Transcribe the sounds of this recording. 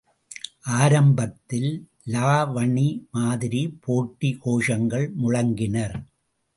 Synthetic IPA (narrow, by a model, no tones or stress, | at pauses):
ʔaːɾɐmbɐt̪ːɪl | laːʋɐɳimaːðɪɾipʰoːʈːikoːʂɐŋɡɐɭmʊɻɐŋɡɪnɐɾ